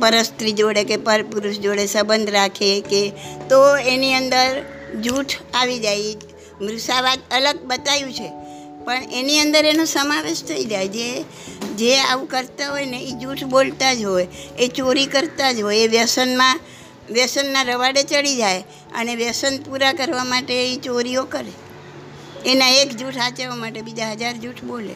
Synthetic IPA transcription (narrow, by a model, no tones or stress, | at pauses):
pəɾəst̪ɾid͡ʒoɽekepəɾpuɾuʃd͡ʒoɽesəbənd̪ʱɾakʰeket̪oeniənd̪əɾ | d͡ʒuʈʰaʋid͡ʒaj | mɾusaʋat̪ələɡ̚bət̪ajũt͡ʃʰe | pəɳeniənd̪əɾenosəmaʋeʃt̪ʰəid͡ʒajd͡ʒe | d͡ʒeaʋũkəɾt̪aɦojneid͡ʒuʈʰbolt̪ad͡ʒɦojet͡ʃoɾikəɾt̪ad͡ʒɦojeʋjəsənmã | ʋjəsənːaɾəʋaɽet͡ʃəɽid͡ʒaj | ə̰neʋjəsənpuɾakəɾʋamaʈeit͡ʃoɾiokəɾe | enaekd͡ʒuʈʰɦat͡ʃeʋamaʈebid͡ʒaɦəd͡ʒaɾd͡ʒuʈʰbolḛ